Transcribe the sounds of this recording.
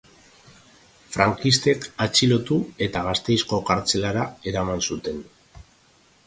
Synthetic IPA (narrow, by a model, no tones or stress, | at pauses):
fɾaŋkist̪e̞kat͡ʃilo̞t̪ue̞t̪aɣ̞ast̪e̞jsko̞kaɾt͡se̞laɾae̞ɾamansut̪e̞n